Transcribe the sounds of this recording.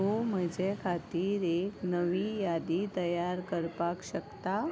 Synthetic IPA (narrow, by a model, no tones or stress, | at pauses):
ɦoməd͡ʑekʰat̪iːɾeknəʋiːjad̪it̪əjaɾkəɾpakɕəkt̪a